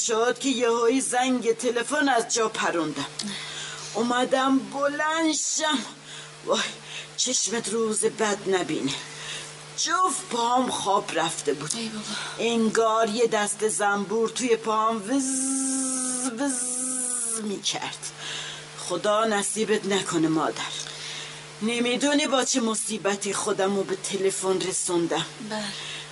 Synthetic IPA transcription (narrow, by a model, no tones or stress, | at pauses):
ʃod̪kʲejehoizæŋɡet̪ʰelefonæzd͡ʒɒːpʰæɾund̪æm | omæd̪æmbolænʃæm | vɒj | t͡ʃʰeʃmet̪ɾuːzebæd̪næbḭːne | d͡ʒofphɒːmχɒːbɾæft̪ebuːd̪eŋɡɒːɾjed̪æst̪ezæmbuːɾt̪ʰujepʰːɑːmvz | vz | miːcʰæ̰ɾd̪̥ | χod̪ɒːnæsiːbet̪nækʰonemɒ̰ːd̪æɾ | nemid̪unibɒːt͡ʃʰemosiːbæt̪ʰixod̪æmobet̪ʰelefonresund̪æm